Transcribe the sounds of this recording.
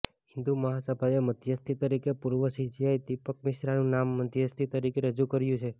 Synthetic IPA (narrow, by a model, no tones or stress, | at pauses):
ɦɪnd̪uməɦasəbʱajeməd̪ʱjəst̪ʰit̪əɾikepuɾʋəsid͡ʒiajd̪ɪpəkmɪʃɾanũnamːəd̪ʱjəst̪ʰit̪əɾikeɾəd͡ʒukəɾjũt͡ʃʰe